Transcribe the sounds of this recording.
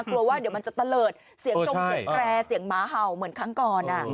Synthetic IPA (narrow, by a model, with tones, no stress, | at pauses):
klu˧əwaː˥˩d̪i˩˦wma˧nt͡ɕa˨˩t̪a˧lɤː˨˩t̪̚ | si˨˩˦ə˧t͡ɕo˧˥e˨˦˩kʰɾɛː˧si˨˩˦əŋmaː˩˦ɦa˨˩wmɯ˩˦ənkʰa˥˩ŋkɔː˨˩nʔa˨˩